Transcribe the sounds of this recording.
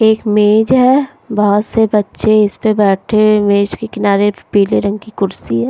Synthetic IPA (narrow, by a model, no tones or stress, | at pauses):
eːkmeːd͡ʒɦɛ | bɔɦɔt̪sebɐtːʃeɪspebɛːʈʰemeːd͡ʒkekɪnaːɾepiːleɾɐ̃ŋɡkikʊɾsiɦɛː